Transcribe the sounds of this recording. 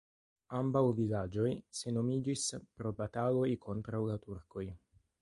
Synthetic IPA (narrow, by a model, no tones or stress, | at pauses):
ambawvilad͡ʒojsenomiːd͡ʒispɾobat̪aːlojkʰɔnt̪ɾalat̪urkoj